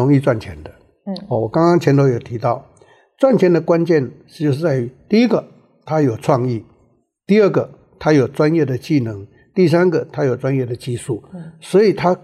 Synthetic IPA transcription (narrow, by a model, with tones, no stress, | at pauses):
ʊ˧˥ŋi˥˧t͡swa˥˩nt͡ɕʰjɛ̰˧˥nd̪ə˧ | ɔ˧˩wɔ˨˩kɑ˥ŋkɑ˥ŋt͡ɕʰjɛ˧˥nt̪ʰo˧˥ʊjo˨˩t̪ʰi˧˥t̪ɑ˥˩ʊ | t͡swa˥˩nt͡ɕʰjɛ˧˥nd̪ə˨kwa˦˥nt͡ɕjɛ˥˧˩nʂɻ̩˥˧˩t͡ɕjo˥˧ʊʂɻ̩˥˩t͡sa˥˩ɪ˨t̪i˥˩i˥ɡə˨ | t̪ʰa˥jo˨˩ʊʈ͡ʂʰwɑ˥˧ŋi˥˩ | t̪i˥˧ə˞˥˩ɡə˩ | t̪ʰa˥jo˨˩ʊʈ͡ʂwa˦njɛ˥˩d̪ə˩t͡ɕi˥˩nɤ˧˥ŋ | t̪i˥˩s̬a˥nɡə˨t̪ʰa˥jo˨˩ʊt͡swa˦njɛ˥˩d̪ə˩t͡ɕi˥˧ʂu˥˩swɔ˧˥i˨˩t̪ʰa˥